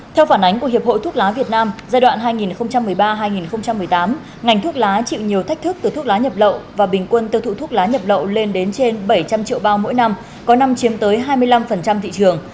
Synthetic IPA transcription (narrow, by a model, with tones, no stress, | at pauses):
t̪ʰɛ˧wfaː˧˩nʔa˨˦jŋ̟ku˧˩əhi˨˩p̚ho̰˧˨jt̪ʰu˦˥laː˨˦vi˨˩ət̚naː˧mzaː˧jɗwa̰ː˧˨nɦaː˧jŋi˨˩nxə˧wŋ͡mt͡ɕa˧mːɨ˨˩əjɓaː˧ɦaː˧jŋi˨˩nxə˧wŋ͡mt͡ɕa˧mːɨ˨˩əjt̪aː˨˦m | ŋa˨˩jŋ̟t̪ʰu˦˥ək̚laː˨˦t͡ɕḭ˧˨wɲi˨˩əwt̪ʰa˦˥k̚t̪ʰɨ˦˥k̚t̪ɨ˨˩t̪ʰu˦˥k̚laː˨˦ɲə˨˩p̚lə̰˧˨wvaː˨˩ɓï˨˩ŋ̟kwə˧nt̪i˧wt̪ʰṵ˧˨t̪ʰu˦˥k̚laː˨˦ɲə˨˩p̚lə̰˧˨wle˧nɗe˨˦nt͡ɕe˧nɓə˧˩jt͡ɕa˧mt͡ɕḭ˧˨əwɓaː˧wmo̰˧˥jna˧m | kɔ˨˦na˧mt͡ɕi˨˦mt̪əː˨˦jɦaː˧jmɨ˧əjla˧mfə˨˩nt͡ɕa˧mt̪ʰḭ˧˨t͡ɕɨ˨˩əŋ